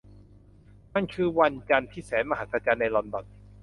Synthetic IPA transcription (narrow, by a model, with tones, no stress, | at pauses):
na˥˩nkʰɯː˧˩wa˧nt͡ɕa˧nt̪ʰiː˥˩sɛː˩˦nma˧ɦa˨˦˥t̪̚pʰa˧t͡ɕaː˧nːa˧jlɔ˧nbɔ˨˩t̪̚